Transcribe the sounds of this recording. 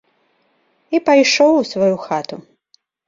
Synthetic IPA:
ipajʂɔwusvajuxat̪u

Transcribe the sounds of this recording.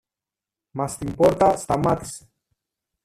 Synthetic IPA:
mast̪impoɾt̪ast̪amat̪i̥s

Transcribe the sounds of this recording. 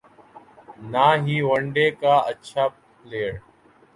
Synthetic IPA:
naːɦiːʋəɳɖeːkaːətːt͡ʃʰaː | leːɽ

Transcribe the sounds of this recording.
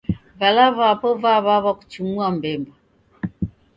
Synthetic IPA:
valavapɔvaβaβaku̥t͡ʃimuambɛmba

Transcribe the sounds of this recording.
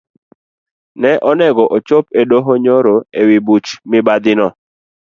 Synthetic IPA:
nɛʔɔnɛɡɔʔot͡ʃopedoɦoɲoɾoewibut͡ʃmɪbad̪ɪnɔ

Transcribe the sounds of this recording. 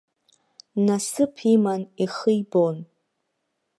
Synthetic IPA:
nasɨpʰimaniχɨjbon

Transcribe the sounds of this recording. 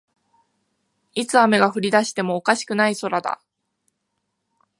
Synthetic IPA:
it͡sɨame̞ɡaɸɯ̟ɾʲid̪aɕi̥t̪e̞mo̞ːkaɕi̥kɯ̟naiso̞ɾad̪a̰

